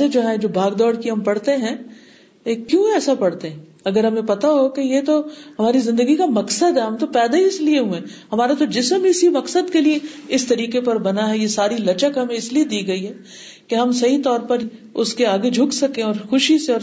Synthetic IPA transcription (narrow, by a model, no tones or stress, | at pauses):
ed͡ʒoɦãd͡ʒoːbʱaːɡd̪ɔːɽkiɦɐmpɐɽt̪eɦɛ̃ | kːjũːɛːsapɐɽt̪eɦɛ̃ | ɐɡəɾɦɐmẽpɐt̪aɦokejet̪oɦɐmaːɾizɪ̃nd̪əɡikamɐksəd̪ʱɦɛɦɐmt̪opɛːd̪aiɪslieɦuẽ | ɦɐmaːɾet̪od͡ʒɪsəmɪsimɐksəd̪kelieɪst̪ɐɾiːkepɐɾbɐnaɦɛjesaːɾilɐt͡ʃəkɦɐmẽɪslied̪iːɡɐiɦɛː | keɦɐmsɐɦit̪ɔːɾpɐɾʊskeaːɡed͡ʒʱʊksɐkẽɔːɾxʊʃiseɔːɾ